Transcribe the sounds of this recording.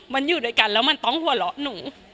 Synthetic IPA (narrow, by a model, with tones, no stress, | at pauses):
ma˧njuː˨˩du˦˥ə˩jka˧nlɛː˦˥wma˧nt̪ɔ˥˩ŋhu˧˩ɐlɔ˦˥ʔnuː˩˦